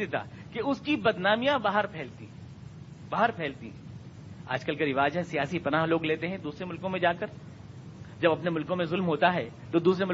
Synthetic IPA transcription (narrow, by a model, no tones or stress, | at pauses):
ɪt̪a̰ːkeʊskibɐd̪naːmijãbaːɦəɾpʰɛːlt̪ḭ | baːɦəɾpʰɛːlt̪ḭ̃ɦɛ̃ | a̰ːd͡ʒkɐlkɐɾɪʋaːd͡ʒɦɛsijaːsipɐnaːɦloːɡleːt̪eɦɛ̃d̪uːsɾemʊlkõmẽd͡ʒaːkəɾ | d͡ʒɐbɐpnemʊlkõmẽzʊlmɦoːt̪aɦɛt̪od̪uːsɾemʊ